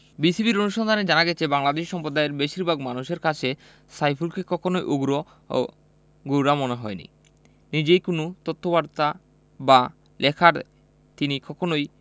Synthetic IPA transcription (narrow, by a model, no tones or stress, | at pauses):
bisibiɾonuʃɔnd̪ʱaned͡ʑanaɡɛt͡ɕʰebaŋlad̪eʃʃɔmpɾod̪aeɾbeʃiɾbʱaɡmanuʃeɾkat͡ɕʰe | sajpʰulkekɔkʰonojʔoɡɾo | o̰ | ɡowɾamoneɦɔenḭ | nid͡ʑejkonot̪ot̪ʰːobaɾt̪a | ba | lekʰaɾ | t̪inikɔkʰonoj